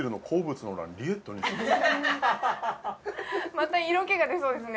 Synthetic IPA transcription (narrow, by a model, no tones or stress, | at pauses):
eɾɯ̟no̞kʰo̞ːbɯt͡sɨnooɾa̰ɾʲiet̪ːoɲ̟i | mat̪aiɾo̞ke̞ɡad̪e̞so̞ːd̪es̬ɨne